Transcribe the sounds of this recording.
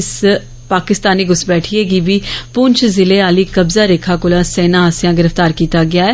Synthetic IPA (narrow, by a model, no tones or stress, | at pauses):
ɪs | paːkɪst̪aːniːɡʊsbɛːʈʰieːɡiːbiːpʊnt͡ʃzɪleːaːliːkəbzaːɾeːkʰaːkʊlãːsɛːnaːasɪjãːɡɪɾəft̪aːɾkiːt̪aːɡɪaːɛː